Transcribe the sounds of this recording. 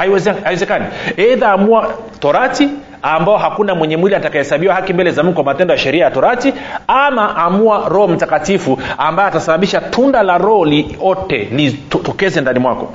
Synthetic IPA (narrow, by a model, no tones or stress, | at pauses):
aiɛaɛzɛkaniɛðaːmuatɔɾati | ambaɔɦakunamwɛɲɛmwiliatakahɛsaɓiwahakimbɛlɛzamukɛkwamatɛndɔjaʃɛɾiajatɔɾatiamaʔamuaɾɔhɔm̩takatifuambajɛatasaɓaɓiʃatʰundalaɾɔɔliɔtɛ̰nittɔkɛzɛndanimwakɔ